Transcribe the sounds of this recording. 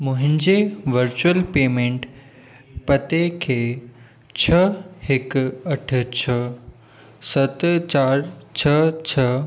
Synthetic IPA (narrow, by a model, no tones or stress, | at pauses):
mʊ̃ɦɪ̃ɲd͡ʑeʋəɾt͡ɕuəlpeːmẽːɳʈ | pɐt̪ekʰeː | t͡ɕʰɐəhɪkɐʈ̆ʰt͡ɕʰə | sɐt̪t͡ɕaːɾt͡ɕʰɐt͡ɕʰɐ